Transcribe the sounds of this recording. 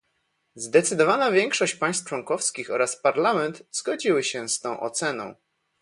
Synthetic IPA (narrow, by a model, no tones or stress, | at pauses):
zd̪ɛt̪sɘd̪ɔvanavʲjɛŋkʂɔɕt͡ɕpaj̃st̪̚t͡ʂwɔŋkɔfskʲixɔɾaspaɾlamɛnt̪z̥ɡɔd͡ʑiwɘɕɛst̪ɔ̃w̃ʔɔ̰t̪sɛnɔ̰̃w̃